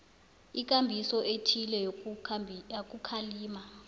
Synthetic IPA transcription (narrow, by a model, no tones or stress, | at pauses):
ik̬ʼambʱisɔʔetʰilɛ | ak̬ʼukʰaliːma